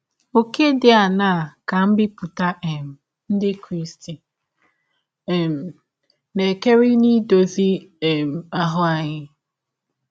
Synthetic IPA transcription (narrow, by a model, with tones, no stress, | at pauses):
o˨ke˦dɪ˨a˨na˦˨a˨ka˨m̩˦bɪ˦pʊ˨ta˦ʔɛ˨m̩˨ | n̩˦dɪ˦kɾi˦sti˨ | m̩˨ | ne˨ke˦ɾɪ˦ni˦do˨zi˦e˨m̩˨a˨ɦʊ˦a˨ɲɪ˦